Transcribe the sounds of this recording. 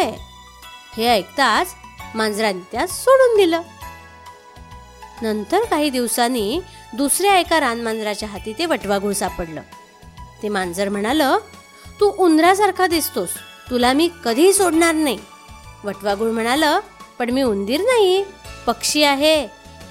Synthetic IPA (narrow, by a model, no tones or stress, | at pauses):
heəjk̚t̪at͡smãnd͡zɾant̪jat͡ssoɽuːnd̪iləː | nənt̪əɾkaɦiːd̪iʋsaniː | d̪usɾjaəjkaɾanmand͡zɾat͡ɕjaɦat̪iːt̪eʋəʈʋaɡuɭsapəɽlə̰ː | t̪emand͡zəɾm̤əɽ̃alə | t̪ũʔund̪ɾasaɾkʰad̪ist̪os | t̪ulamiːkəd̪ʱiːsoɽɳaɾnaɦi | ʋəʈʋaɡuːɭm̤əɽ̃aləpəɳmiːund̪iːɾnaɦipəkʂiːaɦe